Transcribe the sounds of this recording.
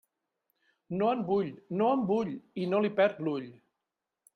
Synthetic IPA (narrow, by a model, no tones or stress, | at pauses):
noəmbuʎnoəmbuʎinolipɛɾt̪luʎ